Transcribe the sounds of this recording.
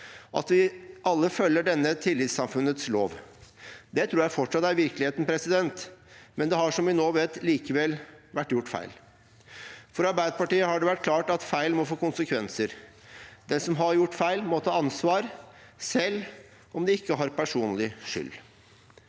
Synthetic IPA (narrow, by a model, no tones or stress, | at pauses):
ʔɑ̰t̪ʋɪʔɑlːəfœlːəɖɛnːət̪ʰɪlːɪt̪sɑmfʉnət̪sloːʋ | d̪ɛt̪ʰɾuːɾjæɪfɔʈʂɑt̪ːæɾʋɪɾklɪheːt̪n̩pʰɾɛsɪd̪ɛnt̪mɛnd̪ɛɦɑʂɔmʋɪnoːʋeːt̪liːkəʋɛlʋæʈːjʊʈːfæ̰ɪl | fɔɾɑɾbæɪd̪əpɑʈiːəhɑɖɛʋæʈ̚kʰlɑːʈɑt̪fæɪlmɔfoːkʊnsəkʰʋɛnsəɾ | d̪ɛnsɔmɦɑɾjʊʈːfæɪlmɔt̪ʰɑːɑnsʋɑːɾsɛlː | ʔɔmd̪ɛɪkːəɦɑɾpæʂuːnlɪʂʏ̰lː